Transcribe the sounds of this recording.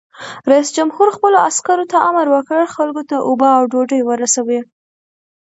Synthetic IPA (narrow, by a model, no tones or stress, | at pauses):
ɾaisd͡ʒamhuɾxpəloaskaɾot̪aʔamaɾwəkəɽxalkot̪aʔobaawɖoɖəjwəɾasawe